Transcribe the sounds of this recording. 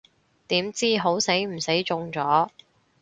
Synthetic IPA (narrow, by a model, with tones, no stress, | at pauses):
t̪iː˨˥mt͡siː˥ɦo˨˥wse˨˥jm̩˨˩se˨˥jt͡ʃʊ˧ŋt͡sɔː˨˥